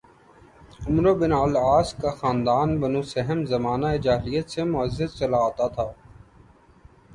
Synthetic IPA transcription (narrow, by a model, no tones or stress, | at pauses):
ʊmɾobɪnaːlaːskaxaːnd̪aːnbɐnuːsɛɦəmzɐmaːnaɪd͡ʒaːɦɪlijət̪semʊəzəd̪̚t͡ʃɐlaːt̪at̪ʰaː